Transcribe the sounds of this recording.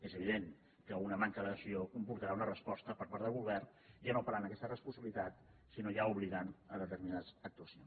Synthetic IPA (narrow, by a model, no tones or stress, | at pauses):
ezəβiðeŋ | kəunəmaŋkəðəsiokumpuɾt̪əɾaunərəspɔst̪əpəɾpaɾðəlˠβulβɛrn | janopaɾanəkɛst̪ərəspunsəβilit̪at̪ | sinojauβliɣanəðət̪əɾminaðəzək̚t̪uəsions